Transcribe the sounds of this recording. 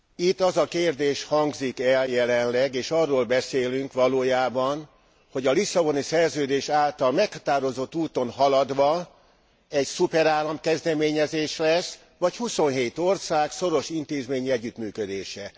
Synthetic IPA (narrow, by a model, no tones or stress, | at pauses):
it̪ːɒzɒkeːrd̪eːʃhɒŋɡzikɛljɛlɛnlɛɡeːʃɒrːoːlbɛseːlyŋkʋɒloːjaːbɒn | ho̞ɟɒlisːɒbonisɛrzøːd̪eːʃaːlt̪ɒlmɛkhɒ̥t̪aːɾo̞zo̞t̪ːuːt̪o̞nɦɒlɒd̪ʋɒ | ɛcsupɛɾaːlɒmkɛzd̪ɛmeːɲɛzeːʃlɛs | ʋɒchuso̞nɦeːt̪o̞rsaːkso̞ɾo̞ʃint̪eːzmeːɲiɛɟːyt̪myːkød̪eːʃɛ